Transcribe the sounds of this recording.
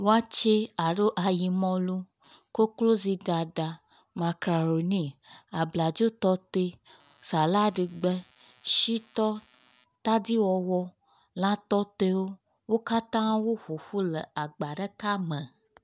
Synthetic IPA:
wo˦a˦t͡ʃe˦a˨ɖo˦ʔa˨ji˨mɔ̃˧lu˦ | ko˦klo˦zi˧ɖa˨ɖa˨ | mã˨kɾa˨ɾo˨nĩ˦a˨bla˨d͡ʒo˦t̪ɔ˦t̪e˧ | sa˨la˦ɖi˧ɡ͡bɛ˦ | ʃi˦t̪ɔ˦ | t̪a˦di˦wɔ˧wɔ˧ | lã˦t̪ɔ˦t̪e˦wo˦ | wo˦ka˦t̪ã˦wo˦ɸo˨fu˦lɛ˨a˨ɡ͡ba˨ɖɛ˦ka˦mɛ̃˨

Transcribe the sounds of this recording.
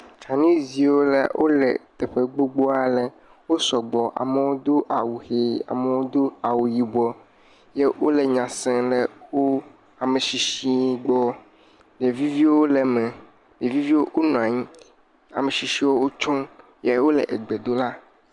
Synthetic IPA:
t͡ʃʰa˨nĩ˦zi˨wo˦lɛ̰˨wʔo̰˦lɛ̰˨t̪ɛ˨ɸe˦ɡ͡bo˦ɡ͡bo˦a˨lɛ˨ | wo˦sɔ˨ɡ͡bɔ˨ʔa̰˨me˨wo˦d̪o˦ʔa˨wu˨he˨a̰˨me˨wo˦d̪o˦a˨wu˨ji˨bɔ˦ | je˦wo˦le˨ɲã˨sɛ̃˦le˨wo˦ | a˨me˨ʃi˨ʃi˦ɡ͡bɔ˦ | ɖe˨vi˦vi˦wo˦lɛ˨mɛ̃˨ | ɖe˨vi˦vi˦wo˦ʔo˦nũ˨a˨ɲĩ˦ | a̰˨me˨ʃi˨ʃi˦wo˦wo˦t͡ʃɔ˦ | je˦wo˦lɛ̰˨ʔe˨ɡ͡be˨d̪o˦la˦

